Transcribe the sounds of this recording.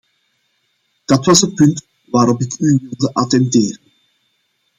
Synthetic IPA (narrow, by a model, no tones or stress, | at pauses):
d̥ɑtʋɑsənpɵnt | ʋaːɾɔpɪkyʋɪlˠdəʔɑtɛnteːɾən